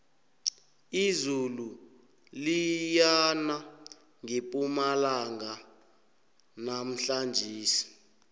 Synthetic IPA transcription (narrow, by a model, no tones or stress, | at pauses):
izulu | lijana | ŋipʼumalaŋa | nam̩ɬand͡ʒʱiːsi̥